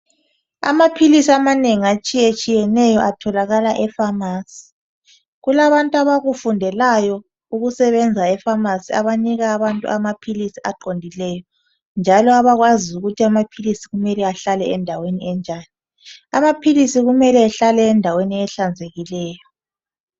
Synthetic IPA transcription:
a̰mapʰilisiamaneŋiat͡ʃʼijet͡ʃʼijɛnɛjɔʔatʰɔlaɣalaʔɛfamaːsi̥ | ɣulaβantʼuaβaɣufundʱɛlajɔ | uɣusɛβɛnd͡zʱaɛfamasia̰βaniɣaːβantʼṵamapʰilisiaǃondʱilɛːjɔ | nd͡ʒʱalɔaβaɣwaziuɣutʰiamapʰilisiɣumɛlɛaɬalɛɛndʱaweniɛnd͡ʒʱaːni | amapʰilisiɣumɛlɛːɬalɛːndʱaweniɛɬand͡zʱeɣilɛːjɔ

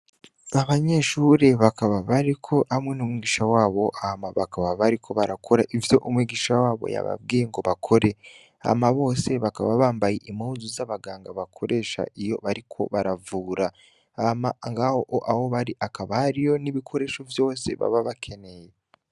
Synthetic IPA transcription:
aβaɲe̞ʃuːɾe̞βakaβaβaɾikʰo̞amŋenumŋiːɡiːʃawaːβo̞ʔahamaβakaβaβaɾikʰo̞βaɾakʰo̞ɾaʔivjo̞ʔumwiːɡiːʃawaːβo̞̰ja̰βa̰b̚ɡiːjeŋɡo̞βakʰo̞ɾe̞ | a̰maβo̞ːse̞βaka̰βaβaːmbajeʔimuzuzaβaɡaːŋɡaβakʰo̞ɾe̞ːʃa̰ʔijo̞̰βaɾikʰo̞̰βaɾavuːɾa | amaŋɡahoʔoʔaho̞βaɾiʔakaβahaɾijo̞niβikʰo̞ɾe̞ːʃovjo̞ːse̞̰βa̰βaβakʰe̞ne̞je

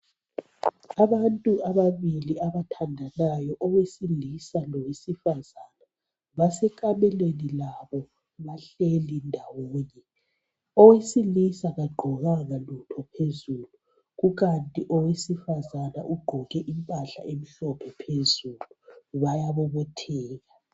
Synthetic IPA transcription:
aβantʼuaβaβiliaβatʰandʱanajɔʔɔwesilisalɔwesifazana | βasɛkʼamɛlwenilaβɔ | βaɬelindʱawoːɲɛ | ɔwesilisaɣaɡ͡ǃʱɔɣaŋalutʰɔpʰezuːlu | ɣuɣantʼiʔɔwesifazanaʔuɡ͡ǃʱɔɣɛʔimpʼaɬa̰ʔem̩ɬɔpʰɛpʰezuluβajaβɔβɔtʰɛːɣa

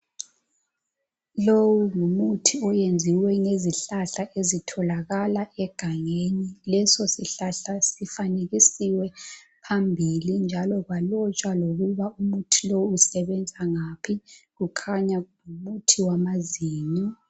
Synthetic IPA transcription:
lowuŋumutʰiɔjend͡zʱiwɛŋeziɬaɬaʔezitʰɔlaɣalaʔɛɡ̥ʱaŋenilɛsɔsiɬaɬasifaneɣisiwɛpʰambʱilind͡ʒʱalɔɣalɔt͡ʃʼwaloɣuβaumutʰilowuːsɛβɛnd͡zʱaŋapʰiɣukʰaɲaŋumutʰiwamaziːni

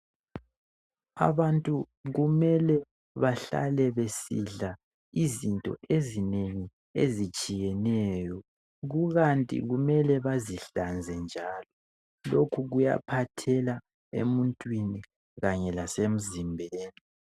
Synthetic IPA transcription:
a̰βantʼu | ɣumɛlɛ | βaɬa̰lɛβesiɮa | izintʼɔ̰ʔezineŋi | ezit͡ʃʼijɛnɛjɔ | ɣuɣantʼḭɣumɛlɛβaziɬand͡zʱɛnd͡ʒʱalɔ | lokʰuɣuja̰pʰatʰɛla | ḛmuntʼwini | ɣaɲɛlasem̩zimbʱeːni

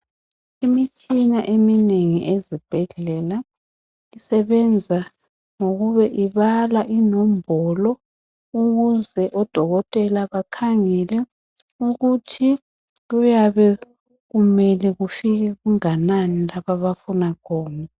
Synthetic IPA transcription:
imit͡ʃʰinaʔemineŋiʔezib̥ʱɛɮɛla | isɛβɛnd͡zʱa | ŋoɣuβɛʔiβalaʔinɔm̩bʱɔlɔ | uɣuzɛʔɔd̥ʱɔɣɔtʼɛlaβakʰaŋɛlɛ | uɣutʰi | ɣujaβɛ | ɣumɛlɛɣufiɣɛɣuŋananilaβaβafunaɣʰɔːna

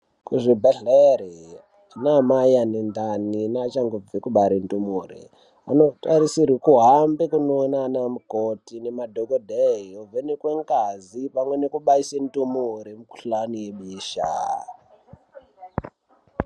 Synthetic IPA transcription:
kuʐibʱeɮeɾi | anamajanend̪aninat͡ʃaŋɡob͡vikuɓaɾintumuːrḭ | ano̞taɾisiɾikuɦambekunoːnanamukotinemadʱokodʱeiovenekweŋɡazipamwe̞nekuɓaisentumuɾimuku̥ɬanijeɓiːʃa̰

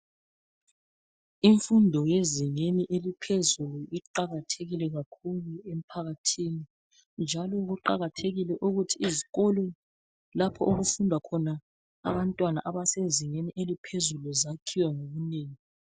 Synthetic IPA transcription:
iɱfundʱɔjeziŋeniʔelipʰezuluʔiǃaɣatʰeɣilɛɣakʰuluem̩pʰaɣatʰini | nd͡ʒʱalɔɣuǃa̰ɣatʰeɣilɛʔuɣutʰiːziɣɔlɔ | lapʰɔʔuɣufundʱwakʰɔnaː | βantʼwana̰ʔaβaseziŋeniʔelipʰezuluzakʰiwɛŋoɣuneːŋi

